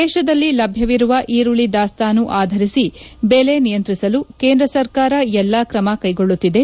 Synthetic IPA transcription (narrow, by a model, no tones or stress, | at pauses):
ɛːʃɐd̪ɐlːilɐbʱjɐʋiɾuʋɐʔiːɾuɭid̪aːst̪aːnːuʔaːd̪ʱɐɾisibele̞nijɐnt̪ɾisɐluke̞ːnd̪ɾɐsɐɾkaːɾɐɛlːakɾɐmɐkɐjɡo̞ɭːut̪ːid̪e̞